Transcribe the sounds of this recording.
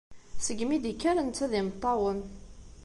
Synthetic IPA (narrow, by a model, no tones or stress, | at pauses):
səɡmid̪ikːæɾənt͡sːæðɪmət̪ˤːɑwən